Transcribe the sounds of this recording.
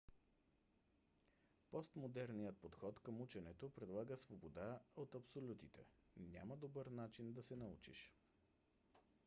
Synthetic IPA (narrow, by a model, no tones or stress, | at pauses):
pɔst̪mod̪ɛɾnijət̪̚pot̪xɔt̪kəmut͡ʃɛnɛt̪opɾɛd̪lˠaɡəsvobod̪aot̪ɐpsolʲut̪it̪ɛ̰ | nʲja̰məd̪obəɾnat͡ʃind̪ɐsɛnɐṵt͡ʃḭʃ